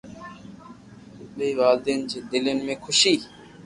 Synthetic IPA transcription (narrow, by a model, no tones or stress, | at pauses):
ɗeiːʋaːld̪eːnd͡ʒeːd̪ɪlenmẽːkʰʊʃiː